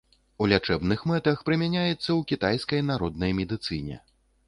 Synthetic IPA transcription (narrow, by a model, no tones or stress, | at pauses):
ulʲat͡ʂɛbnɨxmɛt̪ɐxpɾɨmʲanʲajɛt̪sːɐwkʲit̪ajskɐjnaɾɔd̪nɐjmʲɛd̪ɨt̪sɨnʲɛ̰